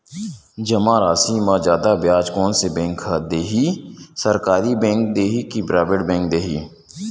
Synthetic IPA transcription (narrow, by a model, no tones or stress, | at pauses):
d͡ʒɐmãɾaːsiːmazjaːd̪abjaːd͡ʒkɔːnsebɛ̃ːŋkʰad̪eːɦisɐɾkaːɾibɛ̃ːŋk̚d̪eːɦikibɾaːʋɪɽbɛ̃ːŋk̚d̪eːɦiː